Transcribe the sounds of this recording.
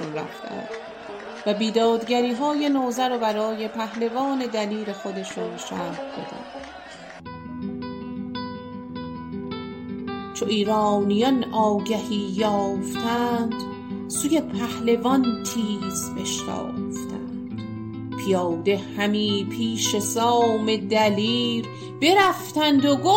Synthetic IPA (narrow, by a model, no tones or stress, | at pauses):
nɾæ̰ft̪æ̰nd̪̥ | væbiːd̪ɒːd̪ɟæɾiːɦɒːjenoːzæɾɔbæɾɒːje̞pʰæhlevɒːne̞d̪æliːle̞xo̞d̪eʃunʃæːhb̪o̰d̪æ̰nd̪̥ | t͡ʃʰoʔiːɾɒːnijɒnʔɒːɡæhiːjɒːft̪ʰænd̪̥ | suːjepʰæhlevɒnt̪ʰiːzbeʃtɑ̰ːft̪ʰæ̰nd̪̥ | pʰijɒːd̪e̞hæmiːpʰiːʃe̞sɒːme̞d̪æliːɾ | be̞ɾæft̪ænd̪oɡo